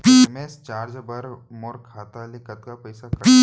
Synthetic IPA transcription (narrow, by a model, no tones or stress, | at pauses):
pimest͡ʃaːɾd͡ʒbɐɾmoɾkʰaːt̪alekɐt̪kapɐjsaki